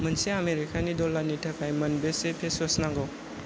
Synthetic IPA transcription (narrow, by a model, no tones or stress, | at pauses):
mɐnsiameɾikanidolanitʰɐkajmɐnbesepʰesɔsnaŋɡɔw